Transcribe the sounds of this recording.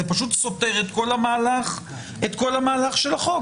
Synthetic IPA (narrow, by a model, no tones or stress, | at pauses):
epaʃut̪so̞te̞ʁet̪ko̞lamaːlaχ | et̪ko̞lamaːlaχʃe̞laχo̞ɡ